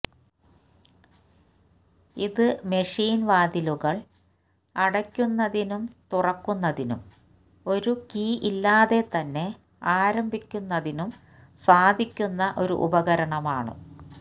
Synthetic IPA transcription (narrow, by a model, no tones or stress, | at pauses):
iðɨme̞ʂiːnʋaːd̪iluɣɐɭ | ɐɽɐkʲːunːɐðinumt̪urɐkːunːɐðinṵm | o̞ɾukiːʔilːaːðe̞t̪ɐnːe̞ | aːɾɐmbʱikʲːunːɐðinum | saːd̪ʱikʲːunːɐʔo̞ɾṵʔṵbɐɣɐɾɐɳɐmaːɳɨ̰